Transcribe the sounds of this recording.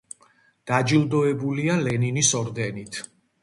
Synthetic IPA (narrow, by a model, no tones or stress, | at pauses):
d̪̥ad͡ʒilˠd̪ɔɛbulialɛninisɔɾd̪ɛnit̪ʰ